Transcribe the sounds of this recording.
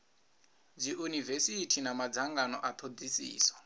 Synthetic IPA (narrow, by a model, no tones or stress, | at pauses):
d͡ziʔunivesitʰinamad͡zaŋɡanɔʔat̪ʰod͡zisḭːsḁ